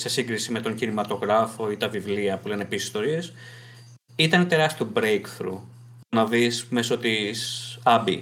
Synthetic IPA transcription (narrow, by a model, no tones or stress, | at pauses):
se̞siŋɡɾisime̞t̪oɲcinimɐt̪o̞ɣɾɐfo̞it̪ɐvivliɐpule̞nepisi̥st̪o̞ɾie̞s | it̪ɐnet̪e̞ɾɐst̪iobɾejkθɾṵ | nɐvisme̞so̞t̪isɐbḭ